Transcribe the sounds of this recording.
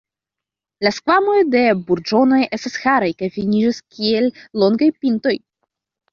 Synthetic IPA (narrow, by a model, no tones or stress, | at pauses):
laskvamo̞jde̞buɾd͡ʒo̞no̞jʔe̞stasxaɾajkajfinid͡ʒaskʲʰie̞lːo̞ŋɡajpinto̞j